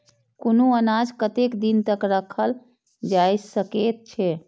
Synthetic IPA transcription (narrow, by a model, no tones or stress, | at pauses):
konuənad͡ʒkət̪ekd̪int̪əkɾəkʰəl | d͡ʒajsəket̪̚t͡ʃʰɛ